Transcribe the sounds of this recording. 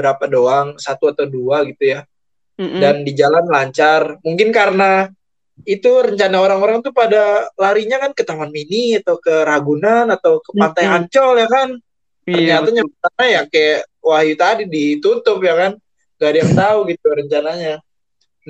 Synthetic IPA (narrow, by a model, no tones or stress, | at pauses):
bəɾapadoaŋsat̪uat̪awduaɡit̪uja | dandid͡ʒalanlaɲt͡ʃarmuŋkɪnkaɾəna | it̪uɾəɲt͡ʃanaoɾaŋoɾaŋt̪upadalaɾiɲakankət̪amanminiat̪awkəɾaɡunanat̪awkəpant̪ajaɲt͡ʃɔljakan | tərɲat̪aɲaanajakajawahjut̪adidit̪ut̪ʊpjakan | ɡadijaŋt̪auɡit̪uɾəɲt͡ʃanaɲa | n